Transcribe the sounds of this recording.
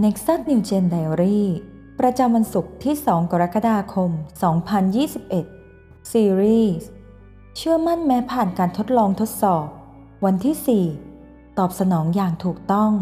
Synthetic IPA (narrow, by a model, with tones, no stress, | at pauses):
ne˦˥k̚sa˥˩t̪̚niː˧t͡ɕe˧ndaː˧ɾiː˥˩ | pɾa˧t͡ɕa˧mwa˧nsu˨˩k̚t̪ʰiː˥˩sɔː˩˦ŋka˧ɾa˦˥kːa˧daː˧kʰo˧msɔː˩˦ŋpʰa˧njiː˥˩si˨˩p̚ʔe˨˩t̪̚ | siː˧ɾiː˥˩s | t͡ɕʰɯ˥˩əma˥˩nmɛː˦˥pʰaː˨˩nkaː˧nt̪ʰo˦˥t̪̚lɔː˧ŋt̪ʰo˦˥t̪̚sɔː˨˩p̚ | wa˧nt̪ʰiː˥˩siː˨˩ | t̪ɔː˨˩p̚sa˧nɔː˩˦ŋjaː˨˩ŋt̪ʰuː˨˩k̚t̪ɔ˥˩ŋ